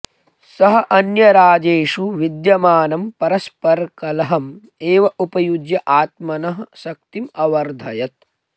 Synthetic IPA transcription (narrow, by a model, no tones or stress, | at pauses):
sɐɦɐ̆ʔɐnjɐɾaːd͡ʒeːʂuʋid̪jɐmaːnɐmpɐɾɐspɐɾkɐlɐɦɐm | eːʋɐʔupɐjud͡ʒjɐʔaːt̪̚mɐnɐɦɐsɐk̚t̪imɐʋɐɾd̪ʱɐjɐt̪̚